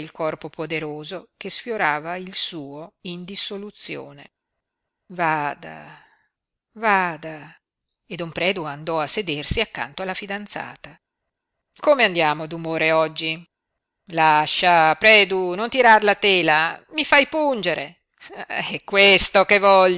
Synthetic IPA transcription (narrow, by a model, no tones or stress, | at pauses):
ilkɔrpopod̪eɾoːzok̟esfjoɾaːvailsuːoind̪isolut̪sːjo̰ːnḛ | vad̪a̰ | vaːd̪a | ed̪ompɾɛːd̪uand̪ɔasːed̪ersiakːa̰nt̪oalːafid̪ant̪sa̰ːt̪a | komeand̪jaːmod̪umoːɾeɔd͡ʒːi | laʃːapɾɛːd̪unont̪iɾarlat̪eːlamifajpund͡ʒeɾe | ɛkːwest̪okevɔʎː